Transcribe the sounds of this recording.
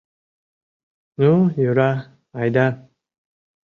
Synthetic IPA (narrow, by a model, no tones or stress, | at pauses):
nujuɾa | ajdan